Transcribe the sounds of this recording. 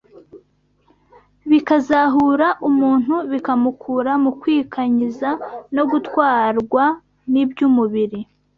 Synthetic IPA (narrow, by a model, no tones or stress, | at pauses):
βikazaɦuːɾaʔumuːn̥huβikamukʰuːɾamukwiːkʰaɲizano̞ɡutkwaːɾɡwa | nibɟumuβiɾi